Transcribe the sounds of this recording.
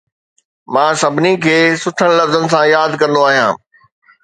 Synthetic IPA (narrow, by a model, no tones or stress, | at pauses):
mãːsɐbʱɪnikʰeːsʊʈʰəɽ̃lɐfzənɪ̆s̬ãjaːd̪kɐ̃nd̪oaːɦijãː